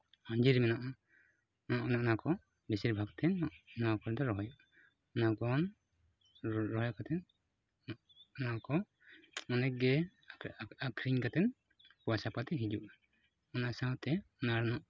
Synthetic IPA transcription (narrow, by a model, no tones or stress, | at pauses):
aɲd͡ʒiɾmɛnɔʔa | ʔɔnaʔnakɔ | bisiɾbʱaɡt̪ʰɛnʔnakɔɾd̪ɔɾɔɦɔjɔʔ | ɔnaɡɔn | ɾɔɔjɔkat̪ʰɛn | ɔnakɔ | ɔnɛɡɛ | akʰɾiɲkat̪ɛn | puasapat̪ɛɦid͡ʒuʔ | ɔnaʔsawt̪ɛɔnaɾnɔʔ